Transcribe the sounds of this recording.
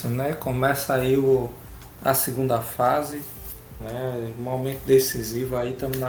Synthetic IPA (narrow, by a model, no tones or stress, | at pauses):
nɛkõmɛsai | ɐ̰siɡũnd̪ɐfazɪ | nɛ̃momẽnt̪ʊd̪esizivʊait̪ɐ̃mẽn